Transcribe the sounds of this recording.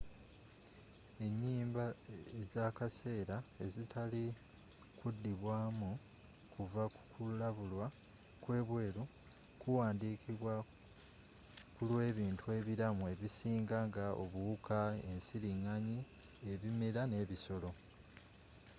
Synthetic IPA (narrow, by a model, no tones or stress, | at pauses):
e̞ɲːiːmbaezakase̞ːɾae̞zitʰali | kudːiβwaːmu | kʰuvakkulaβulwa | kwe̞ːβwe̞ːɾu | kuwaːndiːkiβwa | kulwe̞ːβiːntʰue̞ːβiɾamue̞βisiːŋɡaŋɡaʔo̞̰βuukʰae̞nsiliŋːaɲi | e̞βimeɾane̞ːβiso̞lo̞